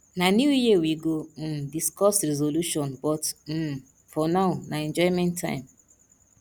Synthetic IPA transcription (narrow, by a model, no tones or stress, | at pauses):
nanjujewiɡom̩diskɔstɾɛzoluʃɔ̃nbɔtm̩ | fɔnaʊnaɛ̃nd͡ʒɔɪmɛ̃ntʰːã̰ɪ̃m